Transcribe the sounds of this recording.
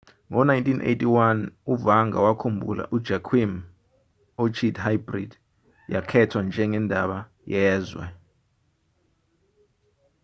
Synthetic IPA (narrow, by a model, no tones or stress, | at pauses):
ŋɔnajntʰʼinʔḛjtʰʼiwanuvaŋa̰wakʰumbʱṵla̰ʔud̥ʒ̥ʱakʰwim | ot͡ʃʰidhajbrid | jakʰɛtʰwand͡ʒʱɛŋɛndʱaɓa | jɛːzwɛ̰